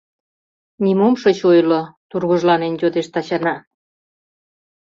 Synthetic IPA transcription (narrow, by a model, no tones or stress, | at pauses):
nʲimomʃot͡ɕojlot̪urɣoʒlɑnenjod̪eʃt̪ɑt͡ɕɑnɑ